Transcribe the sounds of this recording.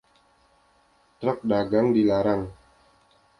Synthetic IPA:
t̪ɾɔk̚daɡaŋdilaɾaŋ

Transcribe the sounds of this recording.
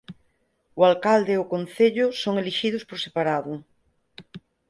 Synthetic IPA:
ʊalkald̪eʊkon̟θeʎʊsoŋeliʃiðʊspoɾsepaɾaðʊ

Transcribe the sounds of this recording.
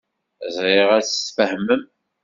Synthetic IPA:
zˤɾɪʁæt͡sə̥sfəhmːəm

